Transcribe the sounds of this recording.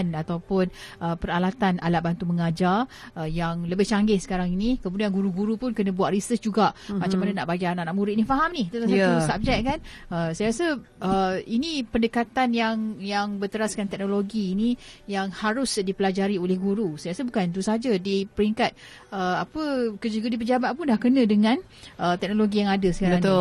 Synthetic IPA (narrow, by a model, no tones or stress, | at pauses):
nat̪awpʊnʔəpəɾalat̪ana̰laʔ̚bant̪uməŋad͡ʒarəjaŋləbɪht͡ʃaŋɡɪsə̥kaɾaŋinikəmuduanɡuɾuɡuɾupʊnkənə̃buaʔ̪risəsd͡ʒuɡamat͡ʃamananaʔbaɡaanaʔnaʔmuɾitnĩfaɦamniht̪ət̪asausab̚d͡ʒɛʔ̚kan | əsajɾasə | ʔəinipəndəkat̪anjaŋjaŋbət̪əɾaskant̪ɛk̚noloɡiːnijaŋhaɾʊsdipəlad͡ʒaɾiolɛhɡuɾusajɾasəbukant̪̬usəɦad͡ʒədipəɾiŋkat̪̚ | əapəkəd͡ʒuɡədipəd͡ʒabat̪̚pʊnlahkənə̃dəŋãn | ət̪ɛk̚noloɡijaŋadəsəkaɾəŋt̪